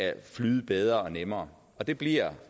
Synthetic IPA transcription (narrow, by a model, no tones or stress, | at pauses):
æflyːðˠb̥eð̞ˠʁɐɒnemɐː | ɒ̽d̥e̝b̥liɐ̰